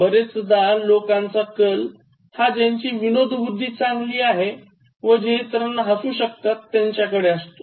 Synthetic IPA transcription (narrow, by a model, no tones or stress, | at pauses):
bəɾet͡sd̪alokãnt͡sakəl | had͡ʑaɲt͡ɕiːʋinod̪ʱʋud̪ʱːiːt͡sãŋɡliːaɦe | ʋəd͡ʑet̪ɾənːɦəsũːɕək̚t̪at̪ːjaɲt͡ɕjakəɽeəst̪o̥